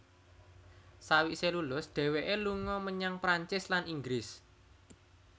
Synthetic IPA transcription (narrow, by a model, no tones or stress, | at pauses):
sawiʔselulʊsɖ̪̥ɛ̤weʔeluŋɔməɲaŋpɾaɲt͡ʃɪslaniŋɡɾɪs